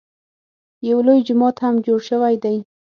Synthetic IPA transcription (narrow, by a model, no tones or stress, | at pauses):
jawlojd͡ʒʊmɑt̪hamd͡ʒoɽʃəwajd̪aj